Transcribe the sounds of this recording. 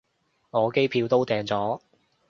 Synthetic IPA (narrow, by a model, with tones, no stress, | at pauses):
ŋɔː˨˧ke˥jpʰiː˨˧wt̪o˥wt̪ɛː˨ŋt͡sɔː˨˥